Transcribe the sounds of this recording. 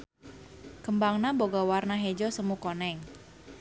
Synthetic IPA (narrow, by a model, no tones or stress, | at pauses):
kəmbaŋnaboɡɔwarnaɦed͡ʒɔsəmukɔnɛŋ